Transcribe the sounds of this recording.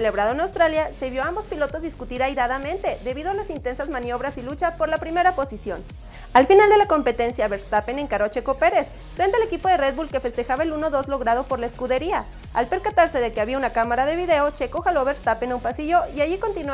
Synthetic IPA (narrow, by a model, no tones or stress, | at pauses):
ele̞βɾaðoenawst̪ɾaljaseβjo̞ambo̞spilot̪ozðiskut̪iɾajɾaðamẽ̞nt̪e̞ðe̞βiðo̞alasint̪e̞nsazmãnjo̞βɾasilut͡ʃapo̞ɾlapɾime̞ɾapo̞sisjo̞̰n | alfinald̪e̞lako̞mpe̞t̪e̞nsjaβeɾst̪apene̞ŋkaɾoat͡ʃe̞ko̞pe̞ɾe̞s | fɾent̪ealekipo̞ðe̞red̪βbulke̞fe̞st̪e̞xaβaeluno̞ðo̞zlo̞ɣɾað̞o̞po̞ɾlaeskuðe̞ɾia | a̰lpe̞ɾkat̪aɾse̞ðe̞keaβiaunakamaɾaðe̞βiðe̞ot͡ʃekoxalo̞βeɾst̪apenaumpasiʝo̞iaʝiko̞nt̪in